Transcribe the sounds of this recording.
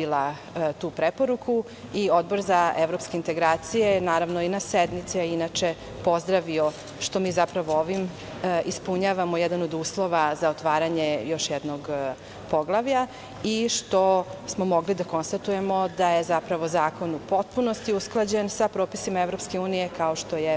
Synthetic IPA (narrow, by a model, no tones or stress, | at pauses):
ila | t̪uːpɾepo̞ɾukʰu | io̞d̪̚bo̞ɾzaeʋɾo̞pske̞int̪e̞ɡɾaːt̪sijenaːɾaʋnoinased̪mit̪siainat͡ʃe̞ | po̞zd̪ɾaʋio | ʃt̪o̞miːzapɾaʋooʋim | ispuɲaːʋamojɛd̪ano̞d̪uːslˠo̞ʋazaot̪ʋaːɾaɲejo̞ʃjɛd̪noɡ | poɡlˠaʋʎa | iʃt̪o̞smo̞mo̞ɡlid̪ako̞nst̪at̪uje̞mo̞d̪ajezapɾaʋozaːko̞nupo̞t̪̚punost̪iusklˠad͡ʑensapɾoːpisimaevɾo̞pske̞uːnijekaoʃt̪o̞je